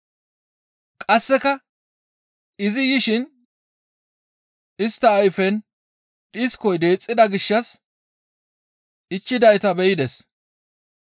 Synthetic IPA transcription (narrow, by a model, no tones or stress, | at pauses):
kʼɐsːɛkɐ | ɪzɪjɪʃɪn | ɪst̪ːɐːjfɛn | ɗɪskɔjd̪e̞ːt͡sʼːɪd̪ɐɡɪʃːɐs | ɪt͡ʃːɪd̪ɐjt̪ɐbɛjɪd̪ɛs